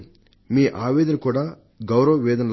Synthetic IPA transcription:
miːʔaːʋɛːd̪ɐnɐkuːɽaː | ɡɐwɾɐʋɐʋɛːd̪ɐnɐ

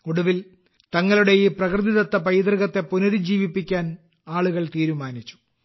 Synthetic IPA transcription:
koɽuʋil | t̪ɐŋːɐluɽejiprɐkrd̪iðɐt̪ːɐpɐjd̪rɨɣɐt̪ːe̞punɐɾid͡ʑiːʋipːikʲːaːn | aːɭuɣɐɭt̪iːɾumaːnit͡ɕːu̥

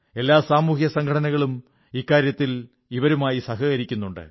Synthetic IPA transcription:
e̞lːaːsaːmuːhjɐsɐŋɡkʰɐʈɐnɐɣɐɭum | ikːaːɾjɐt̪ːil | iʋɐɾumaːjisɐɦɐɣɐɾikʲːunːuɳɖɨ̰

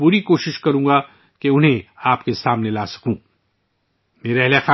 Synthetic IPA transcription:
buːɾikoːʃɪʃkɐɾũːɡa | keʊnɦẽaːpkesaːmnelaːsɐ̥kũː | meːɾɛɦlexaː

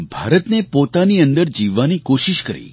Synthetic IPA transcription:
bʱa̰ɾət̪nepot̪aniənd̪əɾd͡ʒiʋːanikoʃiʃkə̰ɾḭ

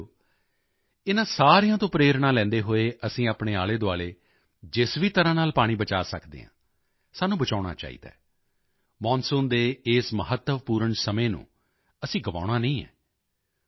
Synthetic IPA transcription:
ɪnãːsaːɾejãːt̪õːpɾeːɾɳãːlɛ̃ːnd̪eːɦoːeːʔəsĩːaːpɳeːaːleːd̪oaːleː | d͡ʒɪsʋiːt̪əɾãːnaːlpaːɽ̃ĩːbət͡ʃaːsəkd̪ḛːɦãː | saːnũːbət͡ʃaːʊɽ̃a̰ːt͡ʃa̰ːḭːd̪a̰ː | mɔːnsʊːnd̪eːɪːsməɦət̪ːəʋpuːɾəɳsəmẽːnṵ̃ː | əsĩːɡəʋa̰ːɽ̃aːnəĩːɛ̰ː

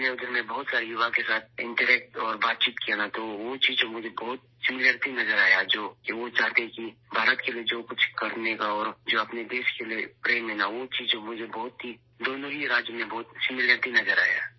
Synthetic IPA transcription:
neʊd̪əɾmẽbɔɦʊt̪saːɾijʊʋakesaːt̪̚ʰɪ̰̃ɳʈəɾɛːk̚ʈɔːɾbaːt̪̚t͡ʃiːt̪kijanat̪oʋot͡ʃiːzd͡ʒomʊd͡ʒʱebɔːʊt̪̚ | sɪmɪləɾt̪inɐzəɾaːjad͡ʒoːkiʋot͡ʃaːt̪eɦɛ̃kibʱaːɾət̪kelied͡ʒoːkʊt͡ʃʰkɐɾnekaɔːɾd͡ʒoːɐpned̪eːʃkeliepɾeːmːenaʋot͡ʃiːzd͡ʒomʊd͡ʒʱebɔɦʊt̪ɦi | d̪oːnõiɾaːd͡ʒjəmẽbɔːʊt̪sɪmɪləɾt̪inɐzəɾa̰ːja̰

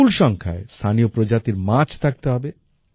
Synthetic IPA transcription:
ulʃɔŋkʰa̰est̪ʰaniopɾod͡ʑat̪iɾmat͡ɕʰt̪ʰak̚t̪eɦɔbe

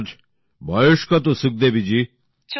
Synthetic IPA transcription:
d͡ʒ | bʱɐjuʂkɐt̪̬usuk̚d̪ebid͡ʒi

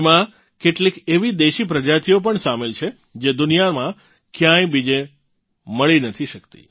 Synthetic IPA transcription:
mã | keʈlikeʋid̪eʃipɾəd͡ʒat̪ʰiop̬əɳsamelt͡ʃʰe | d͡ʒed̪ʊnijamã | kjãjbid͡ʒe | məɭinət̪ʰiʃəkt̪ḭ

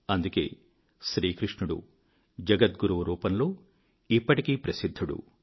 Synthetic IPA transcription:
ɐnd̪uke̞̰ː | ʃɾiːkɾiʂɳuɽṵ | d͡ʒɐɡɐt̪̚ɡuɾɐʋɐɾuːpɐnlo̞ː | ipːɐʈikiːpɾɐsid̪ʱːuɽṵ

